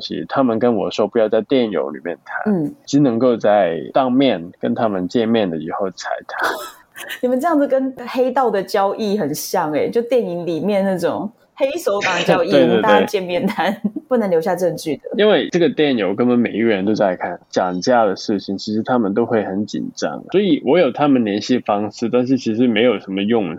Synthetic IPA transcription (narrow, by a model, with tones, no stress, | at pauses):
ɕḭ˧˩t̪ʰa˥mə˨nkə˦˥nwɔ̰˨˩ʂɔ˥ʊpu˧˥jɑ˥˧ʊt͡sa˥˧ɪt̪jɛ˥˨˩njo̰˧˥ʊlḭ˨˩mjɛ̰˥˩nt̪ʰa̰˧˦n˦n̩˥˩˧i˥nɤ˧˥ŋko˥˧ʊt͡sa˥˩ɪt̪ɑ˥˧ŋmjɛ˥˩nkə̰˦nt̪ʰa˥mə˨nt͡ɕjɛ˥˧nmjɛ˥˩nd̪ə˨˩i˨˥xo˥˩ʊt͡sʰa˧˩ɪt̪ʰa˥ | ni˨˩mə˨˦nʈ͡ʂɤ˥˧jɑ˥˩ŋd͡z̩˨˩kə˦˥nxe˥ɪt̪ɑ˥˩ʊd̪ə˩t͡ɕjɑ˥ʊʔi˥˩xə˨˩nɕjɑ˥˩ŋḛ˨˩t͡ɕjo˥˧ʊt̪jɛ˥˩ni˧˥ŋli˨˩mjɛ˥˧nna˥˩ʈ͡ʂʊ˨˩ŋ | he˥ɪʂo˧˥ʊɑ˨˩ŋt͡ɕjɑ˥˧˩ʊi˥we˧ɪt̪e˥˧at̪we˥˩t͡ɕjɛ˥˧nmjɛ˥˩nt̪ʰa˥npu˥˩nə˧˦nljo˧˥ɕja˥˧ʈ͡ʂə˥˧˩nt͡ɕy˥˩d̪ə˩i˥nwe˥˩ɪʈ͡ʂɤ˥˩ɡə˩t̪jɛ˥˩njo˨˧ʊkə˥nə˧˦me˨˩ɪi˦˥ɡə˩ɻə˧˥nt̪o˥ʊt͡sa˥˧ɪkʰa˥˩nt͡ɕjɑ˨˩ŋt͡ɕja˥˩d̪ə˩ʂɻ̩˥˩t͡ɕʰi˨˩ŋt͡ɕʰi˧˥ʂɻ̩˧˥t̪ʰa˥mə˨nt̪o˥ʊxwe˥˩ɪxə˧˥nt͡ɕḭ˨˩nʈ͡ʂɑ̰˦˥ŋ˩swɔ˧˥i˨˩wɔ˧˥jo˨˩ʊt̪ʰa˥mə˨nljɛ˧˥nɕi˥˩fɑ˥ŋʂɻ̩˥˧t̪a˥˧nʂ̬ɻ̩˥˩t͡ɕʰi˧˥ʂ̬ɻ̩˧˥me˧˥ɪjo˨˩ʊʂə˧˥nmə˧jʊ˥˨˧ŋ